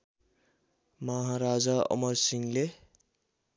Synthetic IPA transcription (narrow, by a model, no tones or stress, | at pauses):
mʌɦaɾad͡zaʌ̰mʌrsiŋle